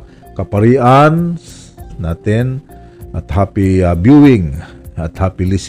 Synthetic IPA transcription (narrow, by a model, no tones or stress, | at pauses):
kɐpɐɾiːʔan | naːt̪ɪn | ʔɐt̪haːpɪabjuwɪŋɐt̪haːpɪlɪs